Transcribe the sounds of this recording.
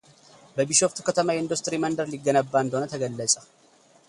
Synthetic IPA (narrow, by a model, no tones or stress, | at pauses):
bəbɪʃoft̪u̥kɐt̪ɐmajɪnd̪ust̪ɾimɐnd̪ɐɾliɡːɐnɐbːaːnd̪oːnɐt̪ʰɐɡɐlːəsʼɐ̥